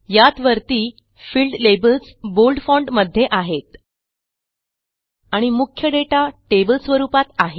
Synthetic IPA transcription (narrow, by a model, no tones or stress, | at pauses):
jat̪ʋəɾt̪iː | fiːlɖlebəls | bolɖfɔɳɖməd̪ʱːjeʔaɦet̪ | aɽ̃imukʰjəɖeʈaʈebəlsʋəɾupat̪aɦe